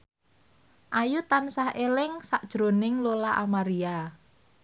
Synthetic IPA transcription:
ʔajut̪ansahʔelɪŋsaʔd̥ʒ̥ɾonɪŋlolaʔamaɾia

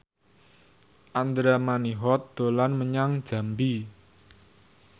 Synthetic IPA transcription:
ʔand̪ɾamaniɦɔt̪̚d̪̥o̤lanməɲaŋ̥d͡ʒ̥a̤mbi

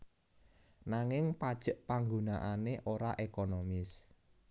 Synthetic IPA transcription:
naŋɪŋpad̥ʒ̥ə̤ʔpaŋɡunaʔaneʔoɾaʔekonomɪs

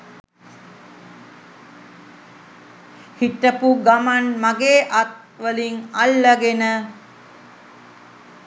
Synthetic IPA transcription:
hiʈəpuɡamanmaɡeːʔat̪̚ | ʋəliŋalːəɡenə

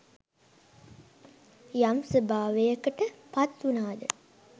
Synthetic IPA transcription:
jamsəbʱaːʋejəkəʈəpat̪ːunaːd̪ə

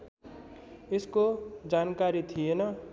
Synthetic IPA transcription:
ɪskod͡ʒaːnkaːɾit̪ʰijenʌ

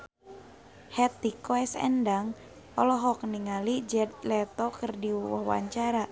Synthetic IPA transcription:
hɛt̪ikɔɛsɛ̰ndaŋ | ɔlɔɦɔk̚niŋalid͡ʒɛd̪̚lɛt̪ɔkərdiwɔ̰hwa̰ɲt͡ʃaɾa

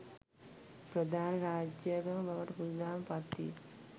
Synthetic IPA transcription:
pɾɐd̪ʱaːnɐɾaːd͡ʒjaɡɐmbʱɐʋɐʈɐpud̪aːmpɐt̪ḭ

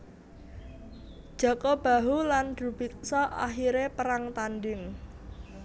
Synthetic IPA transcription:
dd̥ʒ̥ɔ̤kɔb̥a̤ɦulandṳb̥ik̚sɔʔa̰ɦiɾepəɾaŋt̪anɖɪŋ

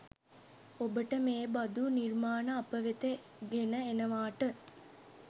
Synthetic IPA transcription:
obəʈɐmeːbɐd̪uniɾmaːnɐːpɐʋet̪e | ɡenɐenɐʋaːʈɨ

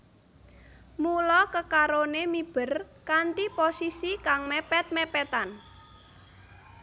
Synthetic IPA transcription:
mulɔkəkaɾonemib̥ərkant̪iposisikaŋmɛpɛt̪̚mɛpɛt̪an

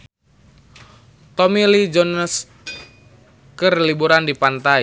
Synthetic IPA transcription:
t̪ɔmilid͡ʒɔnəs | kərlibuɾandipant̪ai

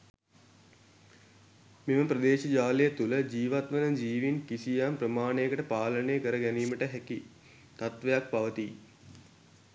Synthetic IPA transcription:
miməprəd̪eːʃɐd͡ʒaːlejət̪uləd͡ʒiːʋat̪ʋənəd͡ʒiːʋinkisijamprəmaːnejəkəʈəpaːləneːkəɾəɡæniːməʈəɦɛki | t̪at̪ʋejak̚paʋət̪i

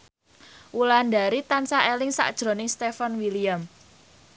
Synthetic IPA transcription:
ʔulandaɾit̪ansaʔelɪŋsa̰ʔd̥ʒ̥ɾo̤nɪŋst̪efanwiliam

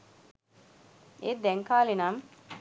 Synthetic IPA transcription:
ed̪ɛŋkaːlinɐm

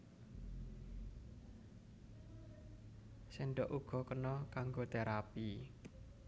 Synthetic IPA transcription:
seɳɖɔʔuɡ̥ɔ̤kənɔkaŋɡot̪eɾapi

